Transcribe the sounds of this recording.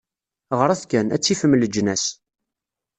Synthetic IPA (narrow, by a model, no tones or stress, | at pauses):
ʁəɾˤæθkænæ̰t͡sːifəmːləd͡ʒːnæs